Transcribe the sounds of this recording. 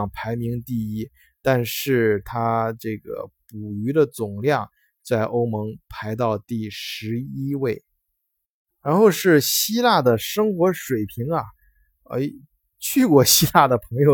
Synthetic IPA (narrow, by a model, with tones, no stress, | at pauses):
ŋpʰa˧˥ɪmi˧˥ŋt̪i˥˩i˥ | t̪a˥˧nʂɻ̩˥˩t̪ʰa˥ʈ͡ʂɤ˥˩ɡə̰˩pu˨˩y˧˥d̪ə˧t͡sʊ˨˩ŋljɑ˥˩ŋ | t͡sa˥˩ɪʔo˥ʊmɤ˧˥ŋpʰa˧˥ɪt̪̬ɑ˥˧ʊt̪i˥˩ʂɻ̩˧˥i˥we˥˩ɪ | ɻa˧˥nxo˥˧ʊʂɻ̩˥˩ɕi˥la˥˩d̪ə˩ʂɤ˥ŋxwɔ˧˥ʂwe˨˩ɪpʰi˧˥ŋɐ˨˩ | ḛ˥˩ | t͡ɕʰy˥˩kwɔ˥˩ɕi˥la˥˩d̪ə˩pʰɤ˧˥ŋjo˧ʊ